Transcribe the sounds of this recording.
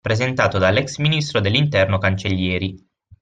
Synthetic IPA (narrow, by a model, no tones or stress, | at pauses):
pɾezent̪aːt̪od̪alːɛksminist̪ɾod̪elːint̪ɛrnokant͡ʃeʎːjɛːɾi